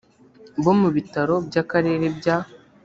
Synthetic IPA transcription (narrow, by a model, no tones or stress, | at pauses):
bo̞muβitaɾo̞bjaːkaɾe̞ːɾe̞bja